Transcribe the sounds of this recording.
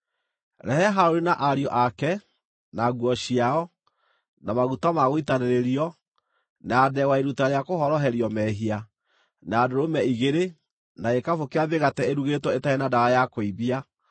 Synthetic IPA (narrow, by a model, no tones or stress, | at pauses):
ɾɛhɛɦaoɾinaʔaɾiɔʔakɛ | naɣwɔɕiaɔ | namaɣutamaɣoitaneɾeɾiɔ | naːdɛwaeɾutaɾeakoɦɔɾɔɦɛɾiɔmɛɦia | naːdoɾomɛiɣeɾe | naekafokeaðeɣatɛeɾuɣetwɔetaenadaɣajakoiβia